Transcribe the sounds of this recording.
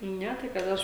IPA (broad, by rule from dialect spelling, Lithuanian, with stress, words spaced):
ˈnʲɛ tɐɪ kɐt ˈɐʃ